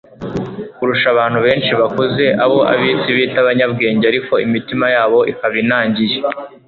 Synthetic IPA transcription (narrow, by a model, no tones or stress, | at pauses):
kuɾuʃaβaːn̥huβe̞ːnʃiβakoze̞ʔaβo̞ʔa̰βiːsiβiːtaβaɲab̚ɡe̞ːɲɟeaɾiko̞imitimajaːβo̞ʔikaβinaːɲɟije